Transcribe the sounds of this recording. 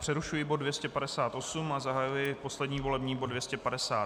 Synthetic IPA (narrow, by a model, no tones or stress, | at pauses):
pr̝̥ɛɾuʃujɪbod̚dvjɛscɛpadɛsaːt̪ʔo̞sumazaɦajujɪpo̞slɛdɲiːvo̞lɛbɲiːbodvjɛscɛpadɛsaː